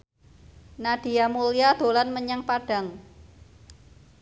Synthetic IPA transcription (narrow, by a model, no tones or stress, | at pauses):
nad̥i̤amulijad̪̥o̤lanməɲaŋpaɖ̥a̤ŋ